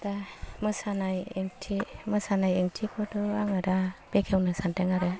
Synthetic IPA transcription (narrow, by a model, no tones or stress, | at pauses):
tamɯsanajeŋtʰimɯsanajeŋtʰikʰɔdɔaŋaɾab̥ekʰewnɯsanteŋaɾɯ